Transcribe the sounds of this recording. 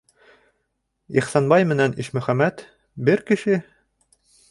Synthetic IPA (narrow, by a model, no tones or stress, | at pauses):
iχsɑnbɑjmɘ̆næniʃmɵ̆χæmæt̪ | bɘɾkɘ̆ʃɘ